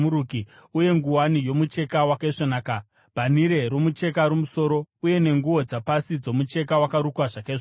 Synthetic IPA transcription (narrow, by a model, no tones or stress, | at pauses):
uɾukiuje̞ŋɡuwanijo̞mut͡ʃe̞kawakaiʂonaːka | b̥ʱaniɾe̞ɾomut͡ʃe̞kaɾumuso̞ɾo̞uje̞ne̞ŋɡuwo̞d͡zapasid͡zo̞mut͡ʃe̞k̬awakaɾukwaʐakaiʐ